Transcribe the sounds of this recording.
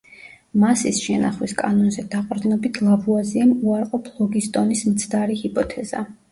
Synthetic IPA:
masisʃɛna̰χwiskʼanɔnzɛd̪aqʼɾd̪inɔbit̪ʰlˠabuaziamuaɾqʼɔpʰlˠɔɡist̪ʼɔnismt̪sʰd̪aɾihipʼɔt̪ʰɛz̥a̰

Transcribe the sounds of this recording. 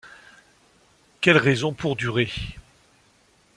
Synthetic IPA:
kʲɛlʁɛzɔ̃pʰuʁd̪yʁe

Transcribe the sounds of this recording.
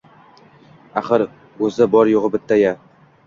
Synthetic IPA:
aχɨɾ | ɵzɪbɒɾjoʁɨbɪt̪ʰːaja

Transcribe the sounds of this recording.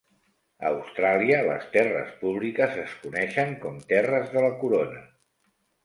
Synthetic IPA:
əːwst̪ɾaliələ̰st̪ɛrə̰spuβ̞likəzəskunɛʃəŋkɔmt̪ɛrəzðələkuɾonə

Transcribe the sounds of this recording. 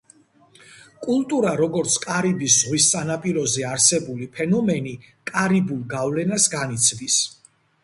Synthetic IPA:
kʼulˠt̪ʼuɾaɾɔɡɔɾt̪sʰkʼaɾibiszʁwist̪sʼanapʼiɾɔzɛaɾsɛbulipʰɛnɔmɛnikʼaɾibulˠɡavlɛnasɡanit̪sʰvis

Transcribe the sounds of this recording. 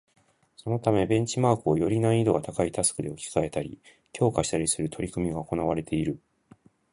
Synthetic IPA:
so̞no̞t̪ame̞bẽ̞ɲ̟t͡ɕimaːkɯojo̞ɾʲinaid̪o̞ɡat̪akait̪asɨ̥kɯ̟d̪e̞okʲi̥kae̞t̪aɾʲḭ | kʲʰo̞ːkaɕi̥t̪aɾʲisɨɾɯ̟t̪ʰo̞ɾʲikɯ̟mʲiɡaoko̞naβaɾe̞t̪ʰe̞iɾɯ̟

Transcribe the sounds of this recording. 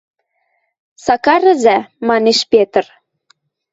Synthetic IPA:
sɑkɑɾə̆zæmɑneʃpet̪ə̆r

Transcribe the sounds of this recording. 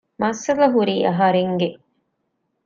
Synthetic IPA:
mɐsɐlɐɦuɾiːʔɐɦɐɾeŋɡe

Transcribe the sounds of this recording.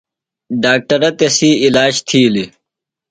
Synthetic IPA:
ɖaːk̚ʈɐɾɐt̪esiːilaːɕt̪ʰiːli

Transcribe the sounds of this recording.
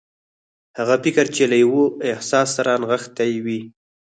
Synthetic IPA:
haɣapɪkəɾt͡ʃelajwoɪhsɑsːaɾanɣəxt̪ajwi

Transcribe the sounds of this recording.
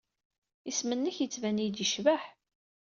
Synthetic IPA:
ismənːəçjət͡sːvænijd̪iʃvæħ

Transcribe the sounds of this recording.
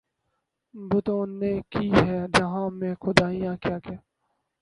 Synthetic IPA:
bʊt̪õːneːkiːɦɛːd͡ʒɐɦãːmẽːxʊd̪aːijãːkjaːkaː

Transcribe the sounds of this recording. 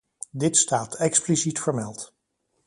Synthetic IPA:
dɪtstaːtʰɛksplisitfəɹmɛlˠt

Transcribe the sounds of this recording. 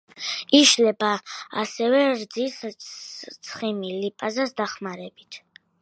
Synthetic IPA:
iʃlɛbaa̰sɛvɛɾd̪zis | t̪sʰχimilipʼazasd̪aχmaɾɛbit̪ʰ

